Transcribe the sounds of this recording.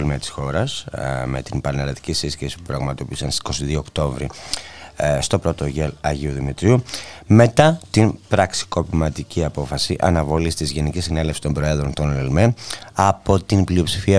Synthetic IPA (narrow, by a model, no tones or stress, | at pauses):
lmeɐt̪i̥sxo̞ɾɐsme̞t̪inpɐneɾlɐt̪i̥cisisçesi̥pupɾɐɣmɐt̪opisɐnssi̥ko̞siðio̞ːkt̪o̞vɾi | st̪o̞pɾo̞t̪o̞ʝelɐʝiuðimit̪ɾiume̞t̪ɐt̪inpɾɐksi̥ko̞pimɐt̪iciɐpo̞fɐsiʔɐ̰nɐvo̞list̪izʝe̞nicisine̞lefsi̥st̪mbɾoe̞ðɾo̞nt̪o̞nlelmenɐpo̞t̪inblio̞psi̥fiɐ